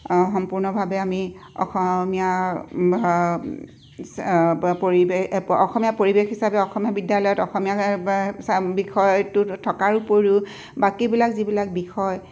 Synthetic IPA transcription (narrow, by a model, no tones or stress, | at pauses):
xɔmpuɹnɔbʱabɛami | ɔ̰xɔmija | poɹiɔxɔmijapoɹibexɦisabɛɔxɔmijabidjalɔjɔtɔxɔmijasbixʰɔjtʊtʰɔkaɹupoɹĩ | bakibilakzibilak̚bixʰɔj